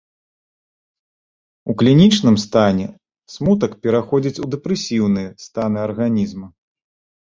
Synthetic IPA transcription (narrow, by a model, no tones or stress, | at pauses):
uklʲinʲit͡ʂnɨmst̪anʲɛ | smut̪̬ɐkpʲɛɾaxɔd͡zʲit͡sʲud̪ɛpɾɛsʲiwn̪ɨjɛst̪anɨɐrɣanʲizmɐ